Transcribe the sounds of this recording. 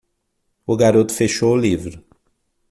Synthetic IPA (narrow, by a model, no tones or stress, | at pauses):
ʊɡaɾot̪ʊ̥feʃoʊlivɾʊ